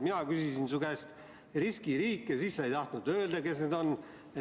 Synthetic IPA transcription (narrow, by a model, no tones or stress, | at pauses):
minɑkysisinsuɡest̪ | ɾiskiɾiːkːˑesisːejt̪ɑht̪nud̪ø̞ːld̪ɑke̞sned̪o̞nː | e